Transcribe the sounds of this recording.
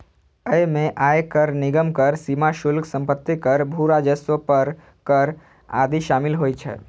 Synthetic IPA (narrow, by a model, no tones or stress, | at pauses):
əemẽʔaːjkəɾnɪɡəmkəɾsimaʃʊlksə̃mpət̪ːikəɾbʱuɾad͡ʒəsʋəpəɾ | kəɾ | a̰ːd̪iʃaːmɪlɦoːit͡ʃʰɛ̰ː